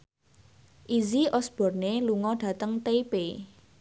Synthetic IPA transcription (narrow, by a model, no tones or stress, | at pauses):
ʔiziʔɔsb̥ɔ̤rneluŋɔɖ̥a̤t̪əŋt̪epe